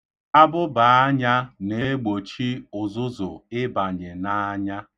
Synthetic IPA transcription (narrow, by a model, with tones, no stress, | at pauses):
a˦bʊ˦ba˨a˦ɲa˦ne˦ɡ͡bo˨t͡ʃi˦ʊ˨zʊ˦zʊ̰˨ɪ˦ba˨ɲɪ˨na˦ɲa˦